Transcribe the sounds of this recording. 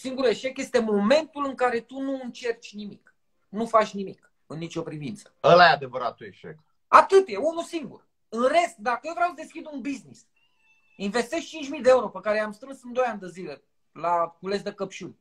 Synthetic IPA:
siŋɡuɾue̞ʃe̞kje̞st̪emo̞me̞nt̪ulɨŋkaɾe̞t̪unuɨnt͡ʃe̞rt͡ʃʲnimik | nufat͡ʃʲnimik | ɨnːit͡ʃo̞pɾivint̪sə̥əlajead̪e̞vəɾa̰t̪uḛʃḛk | at̪ɨt̪je̞unusiŋɡṵr | ɨnre̞st̪̚d̪akəjevɾʲawsəd̪e̞skʲid̪unbiznis | inve̞st̪eʃt͡ʃint͡ʃʲmid̪eeuɾo̞pəkaɾeamst̪ɾɨnsɨnd̪o̞janʲd̪əzile̞ | lakulesd̪e̞kəpʃunʲ

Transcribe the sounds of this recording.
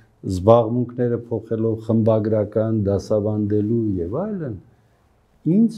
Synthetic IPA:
zbɑʁmuŋkʰnɛɾəpʰɔχɛlɔvχəmbɑɡɾɑkɑnd̪ɑsɑvɑnd̪ɛlujɛvɑjlən | ind͡z

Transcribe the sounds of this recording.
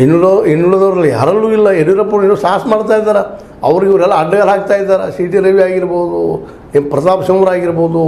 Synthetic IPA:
inːuloinːuɭɐd̪ɐʋɾɐlːija̰ːɾɐlːuːilːɐeɾʋɾɐpːoːʈːuːsaːsmaːɖt̪aːjd̪ːaːɾe | ɐ̰ʋɐɾiɡiʋɐɾɛlːɐːɖːɐɡɐlaːk̚t̪aːjid̪ːaːɾesiːʈiɾeʋiaːɡiɾboːd̪u | pɾɐt̪aːpʂɐmʋɐɾaːɡiɾboːd̪u

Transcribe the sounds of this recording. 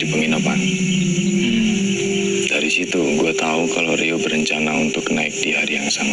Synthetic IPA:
dipəŋinapa̰n | d̥aɾisit̪uɡuat̪aukaloɾiobəɾəɲt͡ʃanaunt̪ʊknaɪk̚diɦaɾijaŋsama

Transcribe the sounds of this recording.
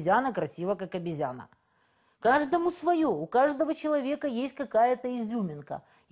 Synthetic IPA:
zʲanəkɾɐsʲivəkakɐbʲɪzʲanə̰ | kaʐd̪əmʊsvɐjoʊkaʐd̪əvət͡ɕɪlˠɐvʲe̞kəjesʲtʲkɐkajət̪əɪzʲumʲɪnkə̰

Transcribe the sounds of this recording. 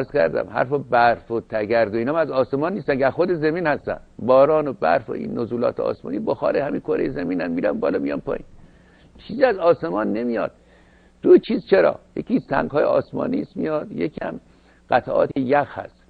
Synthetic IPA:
æɾz̥kæ̰ɾd̪æ̰mhæ̰ɾfɒbæɾfot̪ʰæɡæɾd̪oiːnɒmæzɒːsemɒːnːist̪ænkæɾxod̪ezæmiːnhæst̪æ̰nbɒːɾɒːnobæ̰ɾfo̰ʔḭnːozuːlɒ̰ːt̪ʰeɒ̰ːsmɒ̰ːniːboxɒ̰ːɾehæminkʰoɾejezæmiːnæmmiːɾæmbɒ̰ːlɒːmijɒ̰npʰɒ̰ːḭːn | t͡ʃʰiːziæzɒːse̞mɒːnːemijɒ̰ːd̪̥ | d̪̥ot͡ʃʰiːzt͡ʃʰeɾɒ̰ːjḛkʰisæ̰ŋɡhɒːjeɒːsmɒ̰ːniːsmijɒːd̪̥jekʰiæm | ɢ̥æt̪ʰæʔɒ̰ːt̪ʰejæxhæ̰st̪

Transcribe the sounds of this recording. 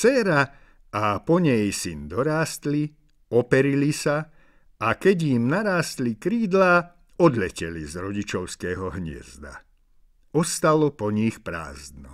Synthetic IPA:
sɛːɾa | apɔɲɛjsind̪ɔɾaːst̪li | ɔpɛɾilisa | akɛɟjimnaɾaːst̪likɾiːd̪laː | ɔd̪ʎɛcɛlizɾɔɟit͡ʃɔʊskɛːɦɔɦɲɪɛ̰zd̪a̰ | ɔst̪alɔpɔɲixpɾa̰ːzd̪nɔ̰

